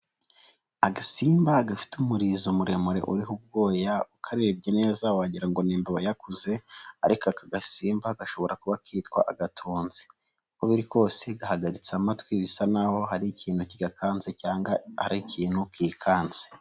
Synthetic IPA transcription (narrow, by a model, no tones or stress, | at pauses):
aɡasiːmbaɡafi̥tumuɾiːzomuɾe̞moɾe̞̰ʔuɾiɦub̚ɡo̞ːjaukʰaɾeɾibɟene̞ːzawhaɟiɾaŋɡo̞niːmbeβojakuze̞aɾikoakaɡasiːmbaɡaʃo̞βo̞ɾakuβakiːtkwa̰ʔaɡatʰuːnzi̥ | koβiɾiko̞ːse̞ɡahaɡaɾit͡samatwiβisanaho̞ɦaɾiciːn̥huciɡakʰaːnzecaːŋɡahaɾiciːnhukiːkʰaːnz̥e